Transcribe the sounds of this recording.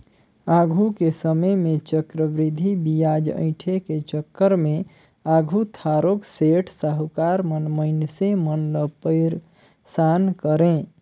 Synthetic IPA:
aɡʱukesəməjmet͡ʃəkɾəbɾid̪ʱːibijad͡ʒə̰̃ɪ̃ʈʰeket͡ʃəkːəɾme | aɡʱut̪ʰaɾokseʈʰsaɦkaɾmənməɪnsemənləpəɪɾ | sankəɾẽ

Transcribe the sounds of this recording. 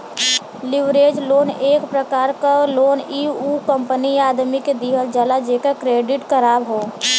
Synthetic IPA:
lɪʋɾeːd͡ʒloːneːkpɾəkaːɾkaloːniːukə̃mpəniaːd̪miked̪iɦəld͡ʒəlad͡ʒekəkɾeːɖɪʈkəɾaːbɦoː

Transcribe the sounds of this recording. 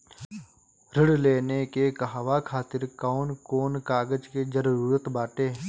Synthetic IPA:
ɾɪɽleːnekekɐɦaʋakʰaːt̪ɪɾkaʊnkoːnkaːɡəd͡ʒked͡ʒəɾɾuːɾət̪baːʈeː

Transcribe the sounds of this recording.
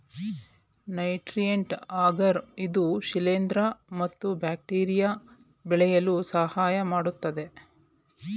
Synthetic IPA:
nɐjʈɾijeɳʈaːɡɐɾid̪uʃileːnd̪ɾɐmɐt̪ːubaːk̚ʈiːɾija | bɛɭɛjɐlusɐhaːjɐmaːɽut̪ːɐd̪e̞

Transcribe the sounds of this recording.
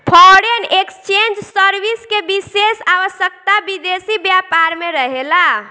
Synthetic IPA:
pʰɔɽenekst͡ʃend͡ʒsəɾbiskebisesaʋəsjək̚t̪abid̪esibjapaɾmeɾəɦela

